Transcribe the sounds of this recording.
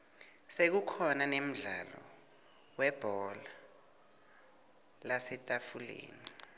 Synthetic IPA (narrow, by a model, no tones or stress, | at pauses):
sek̬ukʰɔnanem̩ɮa̰lɔ̰ | wɛb̥ʱɔla | lasɛtʼafulḛːni